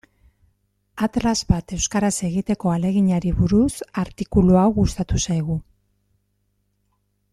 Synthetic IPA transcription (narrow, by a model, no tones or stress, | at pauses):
at̪lazβat̪e̞wskaɾase̞ɣit̪e̞ko̞ale̞ɣ̞iɲaɾiβuɾusaɾt̪ikuluawɣust̪at̪usajɣ̞u